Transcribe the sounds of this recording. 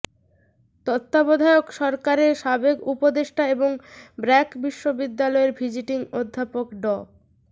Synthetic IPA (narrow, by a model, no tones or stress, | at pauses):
t̪ot̪ːabod̪ʱaeokʃɔɾkaɾeɾʃabekupod̪eʃʈʰaeboŋbɾɛkbiʃːobid̪ːalɔeɾbʱid͡ʑiʈiŋod̪ʱːapokɖɔ